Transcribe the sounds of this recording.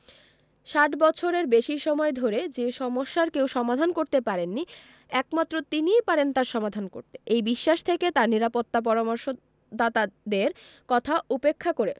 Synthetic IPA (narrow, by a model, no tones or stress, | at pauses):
ʃaʈbɔt͡ɕʰoɾeɾbeʃiʃɔmɔed̪ʱoɾed͡ʑeʃɔmoʃːaɾkewʃɔmad̪ʱankoɾt̪epaɾenːi | ɛkmat̪ːɾot̪inijpaɾent̪aɾʃɔmad̪ʱanko̰ɾt̪eʔejbiʃːaʃt̪ʰeket̪aɾniɾapot̪ːap̬ɔɾamoɾʃo | d̪at̪ad̪eɾ | kɔt̪ʰaupekʰːakoɾe